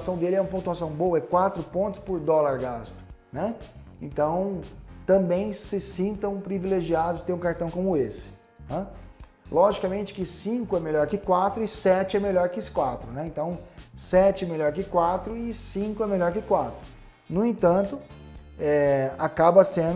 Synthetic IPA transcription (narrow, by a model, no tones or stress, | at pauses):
sɐ̃w̃d̪elɪɛũɐpõnt̪uasɐ̃w̃bowɐɛkwat̪ɾʊpõnt̪ʊspʊɾd̪ɔlaɾɡast̪ʊ̥ | nɛ | ẽt̪ɐ̃w̃t̪ɐ̃mbẽj̃sɪsĩnt̪ɐ̃w̃pɾivileʒiad̪ʊzɪt̪eɾũkaɾt̪ɐ̃w̃kõmʊesɪ̥ | na | lʔɔʒikamẽnt͡ʃɪ̥kɪsĩkʊɛmeʎɔɾkɪkwat̪ɾʊɪsɛt͡ʃɪɛmeʎɔɾkɪskwat̪ɾʊnɛẽnt̪ɐ̃w̃sɛt͡ʃɪɛmelɔɾkɪkwat̪ɾʊɪsĩkʊɛmeʎɔɾkɪkwat̪ɾʊ | nʊẽt̪ɐ̃nt̪ʊɛakabɐsẽ